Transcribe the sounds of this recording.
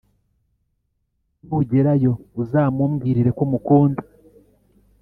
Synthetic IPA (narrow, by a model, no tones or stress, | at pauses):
uɟe̞ɾajo̞uzaːmuːmɡiːɾiɾe̞komukuːnda